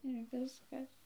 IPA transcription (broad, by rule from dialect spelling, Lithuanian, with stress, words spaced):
ɪr ˈʋʲɪskɐs